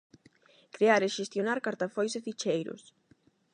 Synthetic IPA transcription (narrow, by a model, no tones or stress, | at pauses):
kɾeaɾeʃest̪jonaɾkaɾt̪afojsefit͡ʃejɾʊ̰s